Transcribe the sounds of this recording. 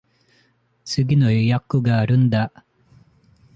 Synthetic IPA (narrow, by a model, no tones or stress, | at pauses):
t͡sɨɡʲinojjakːuɡaɾɯnd̪a